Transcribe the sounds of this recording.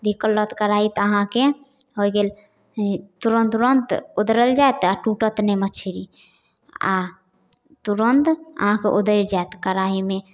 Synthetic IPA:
d̪ʱikəlːət̪kəɾaɦit̪əɦãke | ɦojɡel | t̪uɾənt̪uɾənt̪od̪ɾəld͡ʒaet̪aʈuʈət̪nemət͡ʃʰiɾi | a̰ | t̪uɾənt̪ə̰ɦãkeʔod̪əjɾd͡ʒaet̪kəɾaɦime

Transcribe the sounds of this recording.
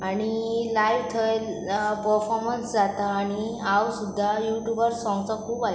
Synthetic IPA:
aɽ̃ilajʋt̪ʰəel | pəɾfɔɾmənsd͡zat̪aːɽ̃iawsud̪ʱːajuʈjubəɾsɔ̃ŋɡt͡sɔkʰuːba

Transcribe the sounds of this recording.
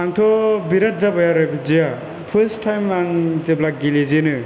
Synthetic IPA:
aŋtʰɔbiɾat̚zabajaɾɛpzija | pʰəstʰːajmanteblak̚ɡilizinɯ

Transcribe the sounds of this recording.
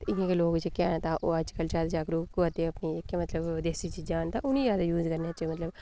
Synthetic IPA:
t̪ɪnẽkeloːɡd͡ʒekːeant̪aːʔoːɐt͡ʃkɐlt͡ʃaːd̪d͡ʒaːkɾukuɐt̪eɐpniekːemɐt̪ləbd̪eːsit͡ʃiːd͡ʒaːnt̪aʔʊnijaːd̪ajuːzkɐɾneat͡ʃemɐt̪ləb

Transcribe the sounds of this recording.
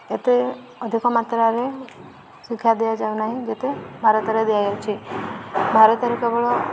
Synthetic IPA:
et̪e | əd̪ʱikomat̪ɾəaɾe | sikʰjad̪ejad͡ʒanaɦĩd͡ʒet̪ebʱaɾət̪əɾed̪ijajat͡ʃʰe | bʱaɾət̪əɾekebəɭo

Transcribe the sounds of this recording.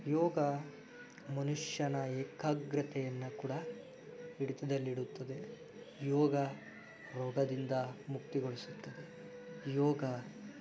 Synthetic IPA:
jɔːɡɐ | mɐnuʂjɐnɐeːkʰaɡɾɐt̪ʰɛjɐnːɐkuːɽɐ | iɽit̪ɐd̪ɐlːiɽut̪ːɐd̪e | jɔːɡɐ | ɾɔːɡɐd̪ind̪ɐmukt̪iɡoɭisut̪ːɐd̪e̞ | jɔːɡɐ

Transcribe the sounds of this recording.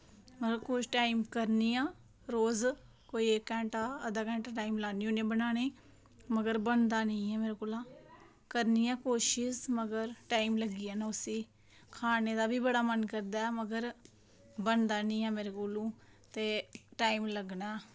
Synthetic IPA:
məɡəɾkot͡ʃʈaːimkəɾniːãː | ɾoːz | koːiːekːɛ̃ːɳʈaːəd̪aːkɛ̃ːɳʈaːʈaːimlaːniːoːnẽːbənaːɽ̃eː | məɡəɾbənd̪aːnəĩːɛːmeːɾeːkoːlãː | kəɾniːãːkoːʃɪsməɡəɾʈaːimləɡiːaːnaːʊsiː | kʰaːneːd̪aːbʱiːbəɽaːmənkəɾd̪aːɛməɡəɾ | bənd̪aːnɪ̃ːɛːmeːɾekoːlũː | t̪eːʈaːimləɡnaː

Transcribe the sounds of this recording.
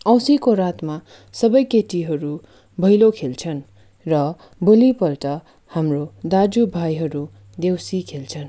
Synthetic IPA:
ʌ̃wsikoɾat̪ma | sʌbʌjkeʈiɦʌɾu | bʱʌjlokʰelt͡sʰʌn | rʌ | bolipʌlʈʌ | hamrod̪ad͡zubʱajɦʌɾu | d̪ewsikʰelt͡sʰʌn

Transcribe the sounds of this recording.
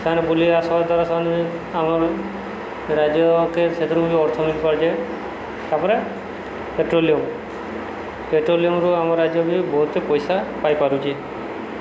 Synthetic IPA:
kanebuliasɔbaɾd̪aɾasan | amɔɾ | ɾad͡ʒɔkeɾt͡ʃʰet̪ɔɾɔbubiɔɾt̪ʰɔnubipaɾt͡ʃa | t̪aɾpɔɾe | peʈɾoliɔm | peʈɾoliɔmɾuamɔɾːad͡ʒɔbibɔɦut̪epɔjsapajpaɾut͡ʃʰi

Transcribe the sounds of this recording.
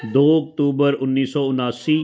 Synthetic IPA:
d̪oːɐk̚t̪uːbəɾʊnːiːsɔːʊnaːsiː

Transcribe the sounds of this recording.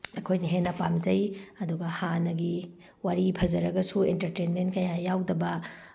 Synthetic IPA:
ɐkʰojnɐɦenːɐpamzɐjɐduɡɐhanɐɡi | waɾipʰɐzɐɾɐɡɐsuḛntɐɾtenmentkɐjajawdɐbɐ

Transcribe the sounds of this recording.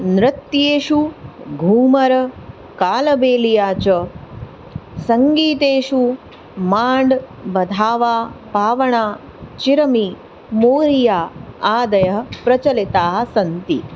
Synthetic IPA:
nɾɪt̪jeːʃuɡʱuːmɐɾɐ | kaːlɐbeːlijaːt͡ʃɐ | sɐŋɡiːt̪eːʃu | maːɳɖ | bɐd̪ʱaːʋaːbʱaːʋɐɳaː | t͡ʃiɾɐmi | moːɾijaːaːd̪ɐjɐɦpɾɐt͡ʃɐlit̪aːɦɐ̆sɐnt̪ḭ

